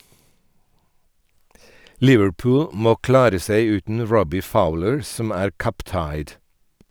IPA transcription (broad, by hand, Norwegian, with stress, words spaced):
ˈlɪʋəɽˌpʊːl ˈmoː ˈklɑːɾə ˈseɪ ˈʉːtn̩ ˈɹɔbɪ ˈfaʊləɹ ˈsɔm ˈæːɾ ˈkʌp ˈtɑɪd